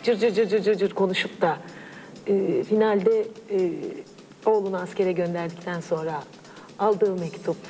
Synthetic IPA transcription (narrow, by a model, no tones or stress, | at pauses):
d͡ʒɯɾd͡ʒɯɾd͡ʒɯɾd͡ʒɯɾd͡ʒɯɾd͡ʒɯɾkʰo̞nuʃukt̪a | ɯːfinalʲd̪ɛ | o̞ːlˠunuasce̞ɾɛɟø̞nd̪æɾd̪ict̪ʰænso̞nɾa | alˠd̪ɯːmɛct̪ʰup̚